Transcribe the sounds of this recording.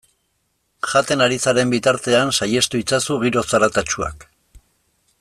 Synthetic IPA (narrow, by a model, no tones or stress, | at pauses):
ʝat̪e̞naɾisaɾe̞mbit̪aɾt̪e̞ansaje̞st̪uit͡sasuɣiɾo̞saɾat̪at͡ʃua̰k